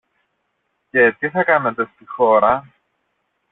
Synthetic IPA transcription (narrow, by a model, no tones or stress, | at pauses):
ce̞t̪iθɐkɐnɐt̪e̞st̪ixo̞ɾɐ